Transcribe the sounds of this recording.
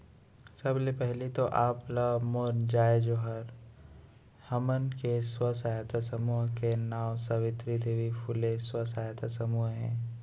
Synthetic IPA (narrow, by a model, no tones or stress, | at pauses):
sɐblepɛɦlit̪oʔaːplamoɾnd͡ʒaːed͡ʒoːɦəɾ | hɐmənkeswəsaːjət̪ʰasəmuːɦkenaːwsəʋɪt̪ɾid̪eːʋipʰuleswəsaːjət̪ʰasəmuːɦɦɛ̰̃ː